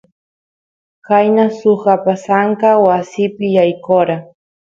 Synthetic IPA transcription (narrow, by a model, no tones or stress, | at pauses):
kajnasʊχapasaŋkawasɪpɪjajkoɾa